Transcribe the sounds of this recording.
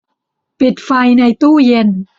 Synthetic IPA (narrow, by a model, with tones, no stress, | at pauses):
pi˨˩t̪̚fa˧jna˧jt̪uː˥˩je˧n